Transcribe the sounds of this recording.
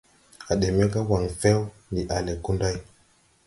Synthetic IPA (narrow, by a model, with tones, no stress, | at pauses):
a˨ɗe˨me˦ka˦wa˨ŋfe˦w | ni˨ʔa˨le˨ku˦nda˦j